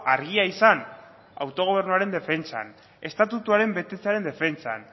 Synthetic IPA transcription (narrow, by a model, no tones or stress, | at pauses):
aɾɣ̞iaisan | a̰wt̪o̞ɣ̞o̞β̞e̞ɾnuaɾe̞nd̪e̞fe̞nt͡sa̰n | e̞st̪at̪ut̪uaɾe̞mbe̞t̪e̞t͡seaɾe̞nd̪e̞fe̞nt͡sa̰n